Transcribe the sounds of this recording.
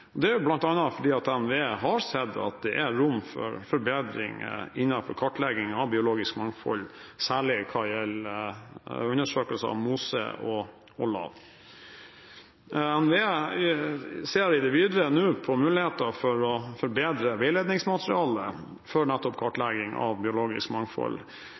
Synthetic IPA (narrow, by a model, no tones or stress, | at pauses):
ɔd̪ɛæjʊblɑnt̪ɑnːɑfɔɖiːɑt̪ɛnʋeːɦɑɾsɛd̪ːɑ̰t̪̚d̪ɛʔæɾʊmːfɔ̰ɾfɔɾbeːd̪ɾɪ̰ŋ̰ɪnːɑfɔɾkʰɑʈlɛɡɪŋɑʋbɪʊloːɡɪskmɑŋfɔ̰lsæːɭɪkʰɑjɛl | ʉnːəʂøːkəlsəɑ̰ʋmuːsə̰ʔɔ | ʔɔlɑ̰ʋ | mɛnʋɪ | seːɾɪd̪ɛʋiːd̪ɾənʉːpʰɔmʉːlɪheːt̪əɾfɔɾɔfɔɾbeːd̪ɾəʋɛɪleːd̪nɪŋsmɑt̪ɾɪɑːlə | fɔɾnæt̪ːɔpkʰɑʈlɛɡɪŋɑ̰ʋbɪʊloːɡɪ̰skmɑŋfɔ̰l